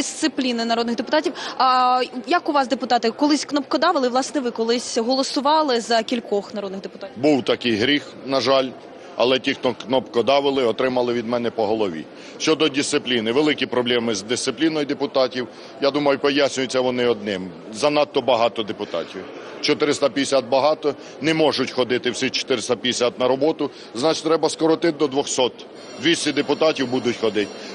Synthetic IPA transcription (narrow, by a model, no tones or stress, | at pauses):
d̪ɪst̪sɪplʲinɪnɐɾɔd̪nɪɣd̪epʊt̪ɑtʲiw | jɐkʊʋɑsd̪epʊt̪ɑt̪ɪkɔlˠɪsʲknɔpkɔd̪ɑʋɪlˠɪʋlˠɑsnɛʋɪkɔlˠɪsʲɦɔlˠɔsʊʋɑlˠɪzɐkʲilʲkɔxnɐɾɔd̪nɪxd̪epʊ̥t̪ɑbuwt̪ɐkɪjɦɾʲix | nɐʒɑlʲ | ɐ̰lˠɛtʲixt̪ɔknɔpkɔd̪ɑʋɪlˠɪɔt̪ɾɪmɐlˠɪʋʲid̪mɛnɛpɔɦɔlˠɔʋʲḭ | ʃt͡ʃɔd̪ɔdʲist̪sɪplʲinɪʋelˠɪkʲipɾɔblʲɛmɪzd̪ɪst̪ɪplʲinɔjd̪epʊt̪ɑtʲiw | jad̪umɐjʊpɔjasʲnʲʊjʊt͡sʲːɐʋɔnɪɔd̪nɪm | zɐnɑt̪ːɔbɐɦɑt̪ɔd̪epʊt̪ɑ̰tʲiw | t͡ʃɔt̪ɪɾɪst̪apʲid̪esʲat̪̚bɐɦɑt̪ɔ | nɛmɔʒʊtʲxɔd̪ɪt̪ɪwsʲit͡ʃɔ̥t̪ɪɾɪst̪ap̪ʲesʲat̪̚nɐɾɔbɔt̪ʊ | znɑt͡ʃɪ̥t̪ɾɛbɐskɔɾɔt̪ɪd̪ɔd̪ʋɔxsɔt̪ | d̪ʲʋʲisʲt̪ʲid̪epʊt̪ɑtʲiwbud̪ʊtʲxɔd̪ɪtʲ